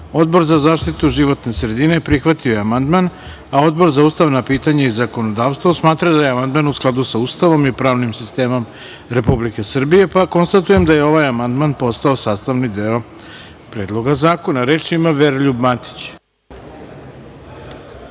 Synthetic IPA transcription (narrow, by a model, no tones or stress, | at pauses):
o̞d̪bo̞ɾzazaːʃt̪it̪uʒiʋo̞t̪ne̞sɾe̞d̪ine̞pɾixʋat̪iojeamand̪man | ao̞d̪̚bo̞ɾzauːst̪aʋnapiːt̪aɲaizako̞no̞d̪aːʋst̪vosmaːt̪ɾad̪ajeamand̪manusklˠad̪usauːst̪aʋo̞mipɾaːʋnimsist̪e̞ːmo̞m | ɾe̞publike̞sr̩bije̞pako̞nst̪at̪uje̞md̪aje̞o̞ʋajamand̪manpo̞st̪ao̞saːst̪aʋnid̪eo̞ | pɾe̞ːd̪lˠo̞ɡazaːko̞naɾe̞ːt͡ʃimaʋeɾʎubmat̪i̥t͡ɕ